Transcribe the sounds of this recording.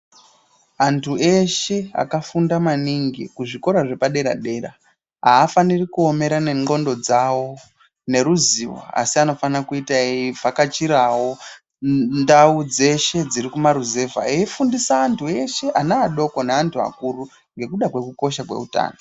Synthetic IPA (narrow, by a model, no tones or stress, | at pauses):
antʰue̞ʃe̞a̰kafundamaniŋɡikuʐiko̞ɾaʐe̞paɗe̞ɾa̰ɗe̞ːra̰ | ɦaːfanirikuo̞me̞ɾane̞ŋɡo̞ndo̞d͡zawo̞ | ne̞ɾuziwa̰a̰siano̞fanakuitavakat͡ʃiɾawo̞ | ndaud͡ze̞ʃe̞d͡ziɾikumaɾuze̞va̰eifundisaːntʰue̞ʃe̞ʔanaːɗo̞ko̞neantʰua̰kuru | ŋɡe̞kuɗakwe̞kuko̞ʃakwe̞̰uta̰ːno